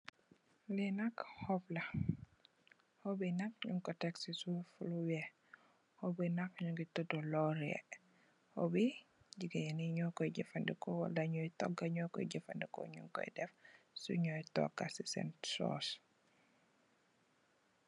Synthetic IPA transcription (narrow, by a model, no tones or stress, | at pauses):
linɐkhɔplɐ | hɔbinɐk̚ɲuŋkɔtɛksisufulubɛ | hɔbinɐk̚ɲuŋɡitudɔlɔɾɛ̰ | hɔ̰biɟiɡejɛniɲɔkɔjɟifɐndikɔwɐ̰lɐɲɔjtɔ̰ɡɐɲɔkɔ̰jɟəfɐ̰ndikɔ̰ɲuŋkɔ̰jdɛf | sṵɲɔjtɔ̰ɡasisɛ̰nsɔ̰ːs